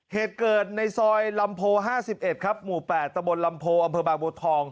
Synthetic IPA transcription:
heː˨˩t̪̚kɤː˨˩t̪̚na˧jsɔː˧jla˧mpʰoː˧ɦaː˥˩si˨˩p̚ʔe˨˩t̪̚kʰa˦˥p̚muː˨˩pɛː˨˩t̪ːa˧mbo˧nla˧mpʰoː˧ʔa˧mpʰɤː˧baː˨˩ŋboː˧t̪ʰɔː˧ŋ

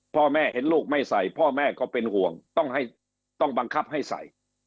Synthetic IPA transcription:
pʰɔː˥˩mɛː˥˩he˩˦nluː˥˩k̚ma˥˩jsa˨˩jpʰɔː˥˩mɛː˥˩kɔː˥˩pe˧nhu˨˩əŋt̪ɔ˥˩ŋɦa˥˩j | t̪ɔ˥˩ŋba˧ŋkʰa˦˥˩p̚ha˥˩jsa̰˨˩j

